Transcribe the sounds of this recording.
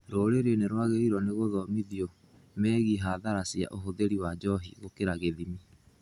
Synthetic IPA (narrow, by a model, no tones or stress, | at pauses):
ɾoːɾeɾeneɾwaɣeɾiɾɔneɣoðɔmiðiɔ | mɛːɣiɦaðaɾasja̰ʔoɦoðeɾiwad͡ʒɔɦḭɣokeɾaɣeðimi